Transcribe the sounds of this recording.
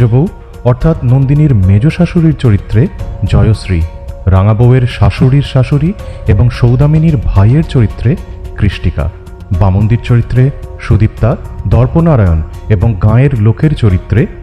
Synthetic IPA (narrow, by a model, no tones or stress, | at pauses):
obow | ɔɾt̪ʰat̪nond̪iniɾmed͡ʑoʃaʃuɾiɾt͡ɕoɾit̪ːɾed͡ʑɔeosɾiɾaŋaboweɾʃaʃuɽiɾʃaʃuɾieboŋʃowd̪aminiɾbʱajeɾt͡ɕoɾit̪ːɾekɾiʃʈika̰ | bamond̪iɾt͡ɕoɾit̪ːɾeʃud̪ip̚t̪ad̪ɔɾponaɾajoneboŋɡãeɾlokʰeɾt͡ɕoɾit̪ːɾe